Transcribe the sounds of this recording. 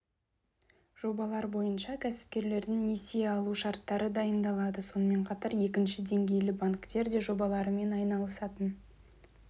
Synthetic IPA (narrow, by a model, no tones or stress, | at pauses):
ʒ̥o̞bɑlˠɑɾbo̞jənʃɑkʲʰæsɪ̥p̚kʲe̞ɾle̞ɾd̪ɪŋne̞seɑlˠuʃɑɾt̪ːɑɾəd̪ɑjənd̪ɑlˠɑd̪əso̞nəme̞ɴqʰɑt̪ɑɾje̞kʲɪnʃɪd̪e̞ŋɡʲe̞jlɪbaŋkt̪e̞ɾd̪e̞ʒo̞bɑlˠɑɾəme̞nɑjnɑlˠəsɑt̪ən